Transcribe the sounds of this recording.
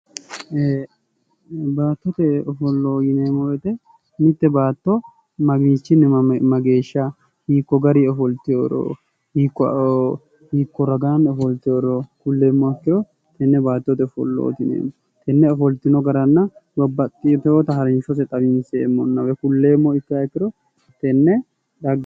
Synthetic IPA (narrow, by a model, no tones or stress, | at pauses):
e | baːt̪ːɔt̪ɛɔfɔlːoːjɪneːmːɔwɛt̪ɛ | mɪt̪ːɛbaːt̪ːɔ | mɐɡiːt͡ʃːɪnɛmɐɡeːʃːɐ | hiːkːɔɡɐɾiɔfɔlt̪ɪjoɾo̰ː | hiːkːɔ | hiːkːɔɾɐɡanɔfɔlt̪ɪjoɾɔkʊlːeːmːɔɐkːɪɾɔ | t̪ɛnːɛbaːt̪ːɔt̪ɛɔfɔ̰lːo̰ːt̪ɪnḛːmːɔ | t̪ɛnːɛɔfɔlt̪ɪnɔɡɐɾɐnːɐbɐbɐt̪ʼːɪjɔt̪ɛot̪ɐhɐɾɪnʃɔsɛt̪ʼɐbɪnseːmːɔnːɐbɛkʊlːeːmːɔɪt̪ːɪɐkːɪɾɔ | t̪ɛnːɛ | ɾɐɡ